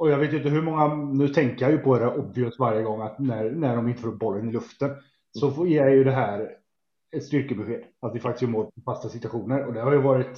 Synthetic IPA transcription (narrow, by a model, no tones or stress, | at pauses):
ɔjɑveːt̪jʏnt̪əɦɵmɔŋːanʉ̟ːt̪ʰɛŋkəjɑjɵpʰɔd̪ɛd̪æɾʔɔbvɪʊst̪vaɾjəɡɔŋːat̪næɾnæɖɔmɪnt̪əfəɾ̚bɔlːənɪlɵft̪ən | sɔjeːjajɵd̪ɛɦæːɾ | ɛt̪st̪ʏɾkəbɛɧeːd̪at̪d̪ɪfak̚t̪ɪskjəmoːɾfast̪asɪt̪ʉaɧuːnəɾɔd̪ɛɾhajɵvɑːɾɪt̪